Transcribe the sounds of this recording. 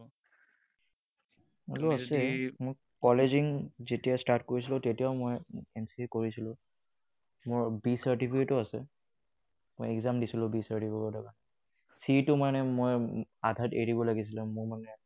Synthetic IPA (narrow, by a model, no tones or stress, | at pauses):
aluasɛmoj | kɔleziŋzetijastaɹtkoɹis̬ilʊ̃tetijaʊmojɛnsikoɹisilʊ̃ | mʊɹbisaɹtipʰiketʊasɛ̰ | mojɛɡzamdisilʊ̃bisaɹtipʰikɔdɔkanɛ | sitʊmanɛmojadʱateɹibɔlaɡis̬ilʊ̃mʊɹmanɛ